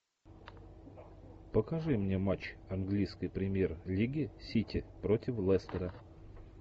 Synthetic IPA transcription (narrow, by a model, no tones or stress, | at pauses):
pəkɐʐɨmnʲe̞mat͡ɕɐnɡlʲijskəjpɾʲɪmʲjerlʲiɡʲɪsʲitʲɪpɾotʲɪflˠɛst̪əɾə